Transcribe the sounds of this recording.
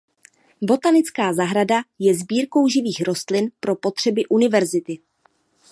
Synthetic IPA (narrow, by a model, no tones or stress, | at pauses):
bo̞t̪anɪt͡skaːzaɦɾadajɛzbiːɾko̞wʒɪviːxɾo̞st̪lɪnpɾo̞po̞t̪r̝̥ɛbɪʔunɪvɛɾzɪt̪ɪ